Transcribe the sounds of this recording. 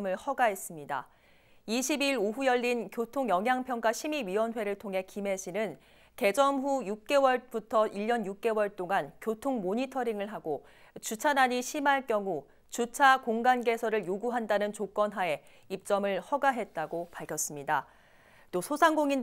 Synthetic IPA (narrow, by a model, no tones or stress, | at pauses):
mɯɭhʌɡaɦe̞s͈ɯmɲida̰ | iɕʰibiɾoɦujʌʎːinkjotʰoŋjʌŋɦjaŋpʰjʌŋk͈aɕʰimiɥiwʌnɸwe̞ɾɯɭtʰoŋɦe̞kime̞ɕʰinɯn | te̞d͡ʑʌmɸujuk̚k͈e̞wʌɭbutʰʌʔiʎːʌnjuk̚k͈e̞wʌɭt͈oŋankjotʰoŋmoɲitʰʌɾiŋɯɭɦaɡo | t͡ɕut͡ɕʰanaɲiɕʰimaɭk͈jʌŋu | t͡ɕut͡ɕʰakoŋɡanɡe̞sʰʌɾɯɭjoɡuɦandanɯnt͡ɕok͈ʌnɦae̞ | ip̚t͡ɕ͈ʌmɯɭhʌɡaɦe̞t̚t͈aɡopaɭkʰjʌs͈ɯmɲida | t͈osʰosʰaŋɡoŋin